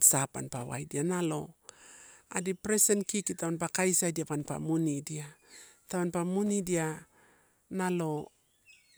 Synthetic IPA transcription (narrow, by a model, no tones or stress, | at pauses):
sapa̰npawa̰jdianalo̞̰ | a̰dipɾesenkikitawanpakajsadiapanpa̰munidia | tawanpamunidia | nalo̞